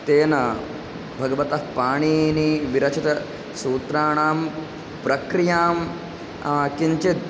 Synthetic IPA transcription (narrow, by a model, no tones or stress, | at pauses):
t̪eːnɐ | bʱɐɡɐʋɐt̪ɐɦpaːɳ̃iːniʋiɾɐt͡ʃʰit̪ɐ | suːt̪ɾaːɳaːm | pɾɐkɾijaːm | kiɲt͡ʃit̪̚